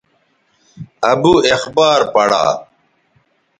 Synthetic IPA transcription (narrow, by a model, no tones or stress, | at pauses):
ɐbuexbaːɾpɐɽa̰ː